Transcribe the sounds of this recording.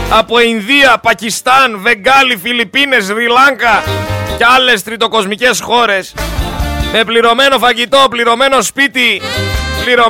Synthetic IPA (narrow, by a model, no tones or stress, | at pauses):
ɐpo̞inðiɐpɐcist̪ɐnve̞ŋɡɐlifilipine̞zɾilɐŋkɐceɐle̞st̪ɾit̪o̞ko̞zmice̞sxo̞ɾe̞s | me̞pliɾo̞me̞no̞fɐʝit̪o̞pliɾo̞me̞no̞spit̪ipliɾo